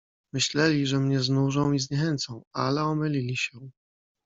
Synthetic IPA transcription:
mɘɕlɛlʲiʐɛmɲɛznuʐɔ̃w̃izɲɛxɛnt̪sɔ̃w̃alɛɔmɘlʲilʲiɕɛ

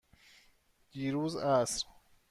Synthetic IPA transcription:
d̪̥iːɾuːzæsɾ

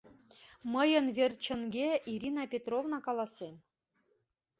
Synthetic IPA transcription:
mɤ̆jɤ̆nvʲerʲt͡ɕə̆ŋɡʲeʔiɾʲinɑpʲet̪rovnɑkɑlˠɑsʲen

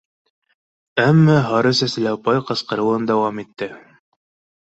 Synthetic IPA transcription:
æmːæɦɑɾɤsæsɘ̆læpɑjqɤ̆sqɤ̆ɾɤ̆wɤnd̪æwɑmit̪ːɘ

